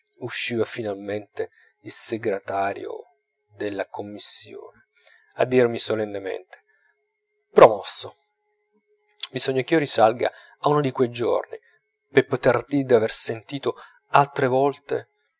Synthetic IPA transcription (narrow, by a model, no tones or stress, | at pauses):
uʃːiːvafinalment̪e | ilseɡɾet̪aːɾj̰o̰ | d̪elːakomːisːjo̰ːne | a̰d̪ːirmisolenːemḛnt̪e̥ | pɾomɔsːo | bizɔɲːak̟iːorisalɡa̰ | aunod̪ikwejd͡ʒo̰rni | pepːot̪erd̪id̪aversent̪iːt̪o | alt̪ɾevɔlt̪ḛ